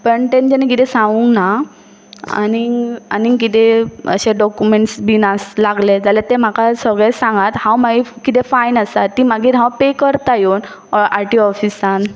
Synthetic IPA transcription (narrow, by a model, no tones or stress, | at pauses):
pəɳʈ̪ẽnd͡ʑənekit̪ɛ̃sãŋɡuŋkna | a̰nia̰nik̬it̪eə̰ɕeɖɔkumeɳʈsbinaslaɡled͡zalet̪em̤akasəɡɭɛsãŋɡat̪hãwmaɡikit̪ɛfainəsat̪ːiːmaɡiːt̪ɦãwpekəɾt̪ajon | ɔaʈiɔfisan